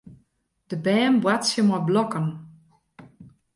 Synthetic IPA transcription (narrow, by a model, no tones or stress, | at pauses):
d̥əbɛːnbwatsjəmɔjblɔkən